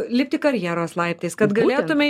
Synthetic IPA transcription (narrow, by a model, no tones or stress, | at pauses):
lʲɪp̚ʲt̪ʲɪkɐɾʲjæːɾoːslˠɐɪpʲt̪ʲeːskɐt̪ɡɐlʲeːt̪ʊmʲɛ